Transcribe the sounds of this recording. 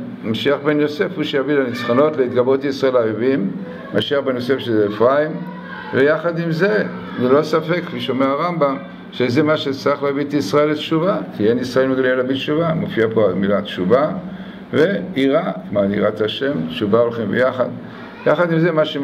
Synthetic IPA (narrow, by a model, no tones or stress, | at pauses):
maʃiaχbe̞njo̞se̞fhuʃejavilanit͡sχono̞t̪leit̪ɡabʁot̪aisʁae̞laevim | maʃiaχbe̞njose̞fʃezeːfʁaim | vejaχad̪imze̞ | zelo̞safe̞kfiʃo̞meaʁambam | ʃezemaʃet͡saχlavit̪isʁaeletʃuvakienisʁae̞lmeɡalielabitt͡ʃuvamofiapoalmilatt͡ʃuva | ve̞iʁakmanḭʁat̪aʃe̞mtt͡ʃuvaolχimbḛjaχa̰d̪ | jaχad̪imzemaʃe